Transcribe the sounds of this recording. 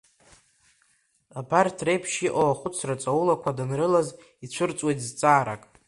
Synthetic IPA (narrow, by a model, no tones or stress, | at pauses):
abartʰrejpʰʃiʔowaχʷʊt͡sʰrat͡sʼaulakʷʰadanrɨlaz | it͡ɕʷʰɨrt͡sʼwejtʼzt͡sʼaːɾa̰kʼ